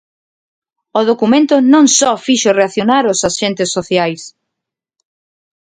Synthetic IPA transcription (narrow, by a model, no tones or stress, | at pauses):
oðokumẽnt̪ʊnõŋsɔfiʃoreaθjonaɾʊsaʃent̪ɪsːoθjajs